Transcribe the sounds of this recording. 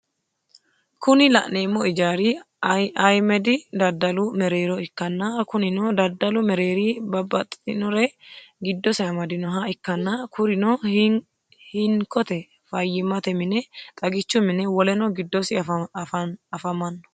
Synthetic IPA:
kʊnɪlɐ̰ʔne̞ːmːɔɪd͡ʒaːɾɪ | ɐjmɛd̪ɪd̪ɐd̪ːɐlʊmɛɾe̞ːɾɔɪkːɐnːɐkʊnɪnɔd̪ɐd̪ːɐlʊmɛɾe̞ːɾibɐbːɐt̪ʼːɪ̥t̪ɪnɔɾɛɡɪd̪ːɔsɛɐmɐd̪ɪnɔɦɐɪkːɐnːɐkʰʊɾɪnɔ | hɪŋkʰɔt̪ɛ | fɐjːɪmɐt̪ɛmɪnɛt̪ʼɐɡɪt͡ʃːʊmɪnɛwɔlɛnɔɡɪd̪ːɔsɪ | ɐfɐmɐnːɔ̥

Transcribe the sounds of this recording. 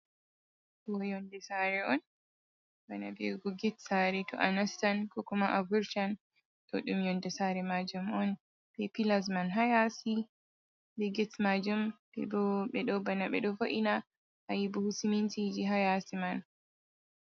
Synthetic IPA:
bɔjɔndɛsaɾɛɔn | bana̰bɛɡɔɡɛtsaɾɛtɔ̰ʔanastankɔkumaʔavuɾt͡ʃan | ɗɔɗumjɔndɛsaɾɛmad͡ʒumɔn | bɛpilasmanɦajasi | bɛɡɛtmad͡ʒumbɛ̰bɔɓɛɗɔbanaɓɛ̰ɗɔfaʔina | hajibɔhusimintid͡ʒiɦajasiman

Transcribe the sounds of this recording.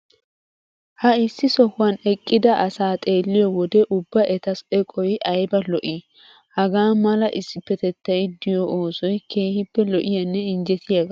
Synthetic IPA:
hɐɪsːɪsɔhʊwɐnɛkʼːɪd̪ɐʔɐsaːt̪ʼe̞ːlːɪjɔwɔd̪ɛʔʊbːɐʔɛt̪ɐsɛkʼɔjɪʔɐjbɐlɔʔɪ | hɐɡaːmɐlɐʔɪsːɪpːɛt̪ɛt̪ːɐjɪd̪ɪjɔʔoːsɔjkʰe̞ːhɪpːɛlɔʔɪjɐnːɛɪnd͡ʒɛt̪ʰɪjaɡɐ

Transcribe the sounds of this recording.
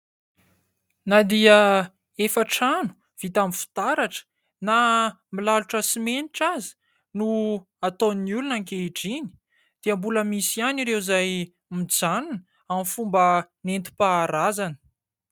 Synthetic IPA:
nad̪iə | efaʈ͡ʂanu̥ | v̥it̪amifi̥t̪aɾaʈ͡ʂə̥ | na | milaluʈ͡ʂəsimeniʈ͡ʂazi̥ | nu | at̪oniulunaŋkeɖ͡ʐini̥ | d̪̥iəmbuləmisianiɾewzaj | mid͡zanunə | amifumbənent̪i̥paːɾazanə̥

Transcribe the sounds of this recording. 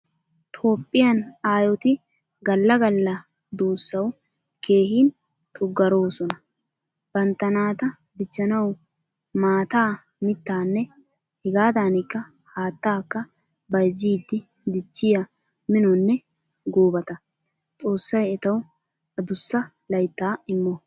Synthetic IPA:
t̪ʰo̞ːpʼːɪjɐnaːjɔt̪ɪ | ɡɐlːɐɡɐlːɐ | d̪oːsːɐw | ke̞ːhiːn | t̪ʰʼʊɡːɐɾo̞ːsɔnɐ | b̥ɐnt̪ːɐnaːt̪ɐ | d̪ɪt͡ʃːɐnɐw | maːt̪aː | mɪt̪ːaːnːɛ | hɛɡaːd̪aːnɪkːɐ | haːt̪ːaːkːɐ | bɐjziːd̪ːɪ | d̪ɪt͡ʃːɪjɐ | mɪnɔnːɛ | ɡoːbɐt̪ɐ | t̪ʼo̞ːsːɐjɛt̪ɐw | ʔɐd̪ʊsːɐ | lɐjt̪ːaːɪmːɔ

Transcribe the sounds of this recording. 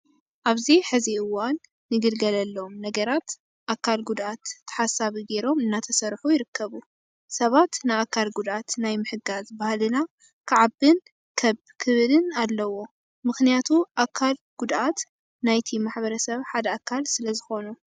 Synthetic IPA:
ʔaβziħɨziɨwanː | ɨɡɨlɡɐlɐlːomnɐɡɐɾat̪ | ʔakʰːalɡud̪ʔat̪ːɐ̥ħasaβiɡe̞ɾo̞mɨnːat̪ʰɐsɐɾħujɪɾɨkʰːɐβu | sɐβat̪naakʰːalɡud̪ʔat̪najmɨħɨɡazbahlɨna | kʰɨʕabɨn | kʰɐβkʰɨβɨlɨnalːɐwo̞ | mɨxnijat̪ʰuʔakʰːalɡ̥ud̪ʔat̪ | najt̪ʰimaħbɐɾɐsɐβħad̪ɐakʰːalsɨlɐzɨxo̞nu

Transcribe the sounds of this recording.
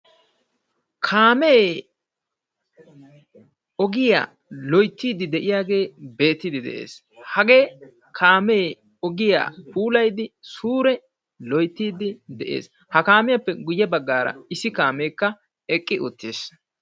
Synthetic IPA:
kʰaːmeː | ɔɡɪja̰ː | lɔjt̪ːiːd̪ɪd̪ɛʔɪjaːɡe̞ːbe̞ːt̪ːɪd̪ɪd̪ɛ̰ʔḛːs | hɐɡe̞ː | kʰaːmeː | ɔɡɪja̰ːpuːlɐjd̪ɪsuːɾɛ | lɔjt̪ːiːd̪ɪd̪ɛʔe̞̰ːs | hɐkaːmɪjapːɛɡʊjɛbɐɡːaːɾɐ̰ɪsɪkaːmeːkːɐ | ɛkʼːɪʔʊt̪ːḛːs

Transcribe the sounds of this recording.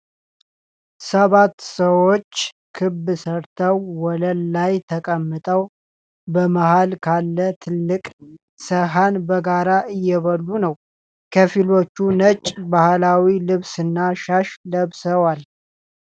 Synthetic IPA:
səβat̪ːsəwo̞t͡ʃː | kʰɨbɨsəɾt̪ʰəwːɔləlːajt̪ʰəkʼəmːɨt̪ʼəw | bəmahalkʰalːət̪ʰɨlːɨkʼ | səɦanbəɡaɾaʔɨjːɛβəlːunəw | kʰəfilo̞t͡ʃːunət͡ʃʼbahlawilɨβsɨnːaʃaʃləβsəwal

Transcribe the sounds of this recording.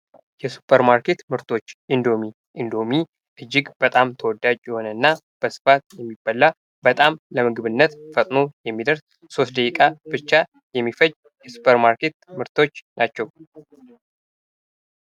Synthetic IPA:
jɛsu̥pʰəɾmaɾke̞t̪mɨɾt̪ʰo̞t͡ʃːʔind̪o̞mi | ʔind̪o̞mi | ʔɨd͡ʒːɪɡb̥ət̪ʼamt̪ʰəwɔd̪ːad͡ʒʼjɛho̞nənːa | b̥əsɨ̥fat̪̚jɛmːibːalːa | bət̪ʼamləmɨɡɨβɨnːət̪fət̪ʼno̞jɛmːid̪əɾs | so̞st̪̚d̪əkʼikʼab̥ɨt͡ʃːa | jɛmːifəj | jɛsu̥pʰəɾmaɾkʰe̞t̪mɨɾt̪ʰo̞t͡ʃːnʔat͡ʃːɛw

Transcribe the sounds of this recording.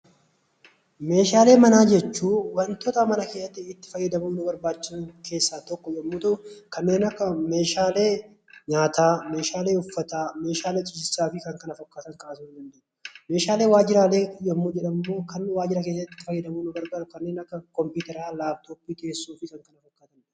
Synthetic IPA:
me̞ːʃaːle̞ːmɐnaːd͡ʒɛt͡ʃːuːwɐnt̪ɔt̪amɐnɐkeːsːɐt̪ːɪɪt̪ːɪ̥fɐjːɐd̪ɐmuːnʊbɐɾbaːt͡ʃːɪsʊnke̞ːsːaːt̪ɔkːɔjɐmːuːt̪ɐʔʊkɐnːeːnɐkːɐme̞ːʃaːle̞ː | ɲaːt̪aːme̞ːʃaːle̞ːʊfːɐt̪aːme̞ːʃaːle̞ːt͡ʃʼʊd͡ʒɪsaːfɪkɐŋkɐnɐfɐkːaːt̪ɐŋkʼɐbɐt̪mʊd̪ɐnd̪eː | meːʃaːle̞ːwaːd͡ʒɪɾaːle̞ːjːɐmːuːd͡ʒɛᶑɐmɐmːo̞ːkɐnwaːd͡ʒɪɾɐk̬eːsːɐɪt̪ːɪ̥fɐjːɐd̪ɐmuːnʊɡɐɾɡɐᶑʊkɐnːeːnɐkːɐkɔmpuːt̪ɛɾaːlaːbt̪oːpːiːt̪eːsːuːfɪkɐŋkɐnɐfɐkːaːt̪ɐn

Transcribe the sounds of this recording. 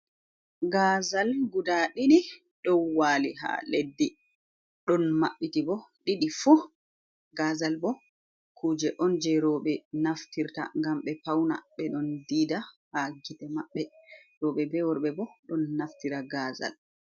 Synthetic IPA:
ɡaːzalɡudaɗini | ɗɔnwaːliɦa̰ledːi | ɗɔnmaɓːitibɔɗiɗifu | ɡaːzalbɔ | kʰuːd͡ʒɛʔɔnd͡ʒɛɾɔɓɛnaftiɾta̰ŋɡamɓɛpawna̰ɓɛɗɔndida | haɡitɛmaɓːɛɾɔɓɛbɛwɔɾɓɛbɔɗɔnːaftiɾaɡaːza̰l

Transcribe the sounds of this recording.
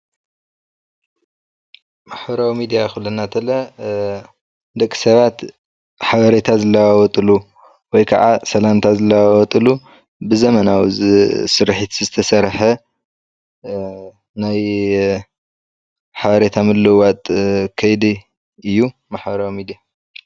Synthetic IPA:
maħbɐɾawimid̪ijaxulːɐnat̪ʰɐlɐ | d̪ɐkʼːi̥sɐβat̪ | ħaβɐɾet̪ʰazɨlːɐwawɔt̪ʼɨlu | wɔjkʰɐ̰ʕasɐlant̪ʰazɨlːɐwawɔt̪ʼɨlu | bɨzɐmɐnawzsɨɾħit̪zɨt̪ʰɐsɐɾħɐ | naj | ħaβɐɾet̪ʰamɨlːɨwat̪ʼkʰɐjd̪i | ɨjːu | maħbɐɾawimid̪ija

